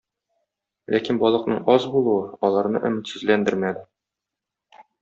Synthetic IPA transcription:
lʔækinbɒlˠɤ̆qnɤɴɒzbulˠuɤɒlˠɑɾnɤ̰ʔɵ̆mɘ̆t̪sʉzlænd̪ɘɾmæd̪ɘ

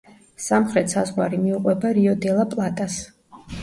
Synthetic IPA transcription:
samχɾɛt̪ʰsazʁwaɾimiuqʼwɛbaɾiɔd̪ɛlˠapʼlˠat̪ʼas

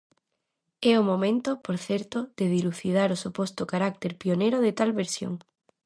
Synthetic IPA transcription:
ɛomomẽnt̪opoɾθeɾt̪oðeðiluθið̞aɾosupost̪okaɾak̚t̪eɾpioneɾoðet̪alβeɾsjo̰ŋ

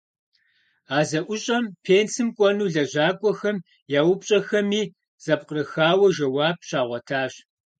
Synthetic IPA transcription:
aːzɐʔʷʊɕʼɐmpʰeːnsɨmkʷʼɔnuːɮɐʑaːkʷʼɔxɐm | jaːwʊpɕʼɐxɐmiː | z̥ɐpqərɨxaːwɐʒɐwaːb̚ɕaːʁʷɔtʰaːɕ

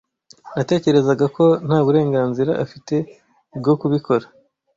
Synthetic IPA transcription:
nate̞ːce̞ɾe̞zaɡako̞n̥haːβuɾe̞ːŋɡaːnziɾaʔafite̞ | b̚ɡo̞kuβikʰo̞ɾa

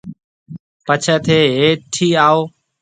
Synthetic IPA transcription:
pət͡ʃʰəːt̪ʰeːɦeːʈʰiːaːoː

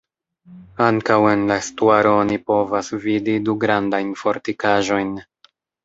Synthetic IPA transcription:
aŋkawe̞nlaestuaɾo̞onipo̞vasvididuɡɾandajnfo̞ɾtikaʒo̞jn

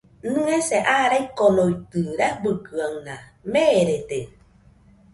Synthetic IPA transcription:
nɯ̃eseʔaɾaikonoit̪ɨɾɛbɯkɯaŋnameːɾet̪e

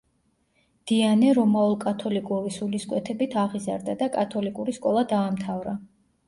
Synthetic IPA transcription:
d̪̥ianɛɾɔmaulˠkʼat̪ʰɔlikʼuvisuliskʼwɛt̪ʰɛbit̪ʰaʁiza̰ɾd̪ad̪akʼat̪ʰɔlikʼuɾiskʼɔlˠad̪aːmt̪ʰavɾa

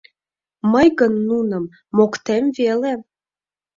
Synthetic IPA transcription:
məjɣənːunəmː | okt̪emvele

